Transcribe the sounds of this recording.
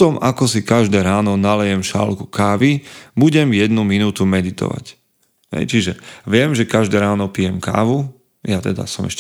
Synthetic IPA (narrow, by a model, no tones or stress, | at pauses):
ɔmakɔsikaʒd̪ɛːɾaːnɔnalɛjɛmʃa̰lkukaːʋibuɟɛmjɛd̪numinuːt̪umɛd̪it̪ɔ̰ʋa̰c | hɛ̰jt͡ʃiʒɛʋɪɛmʒɛkaʒd̪ɛːɾaːnɔpiːjɛmka̰ːʋu | jat̪ɛd̪a̰sɔmɛʃ